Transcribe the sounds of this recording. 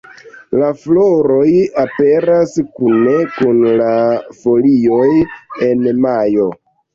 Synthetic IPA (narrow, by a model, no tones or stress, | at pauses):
laflo̞ɾo̞jape̞ɾaskune̞kunlafo̞lio̞je̞nmajo̞